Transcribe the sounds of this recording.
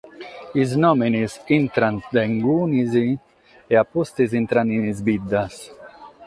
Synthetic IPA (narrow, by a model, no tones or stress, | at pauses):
iznɔminizint̪ɾand̪eŋɡuːnizi | eapːust̪izint̪ɾaninizbid̪ːas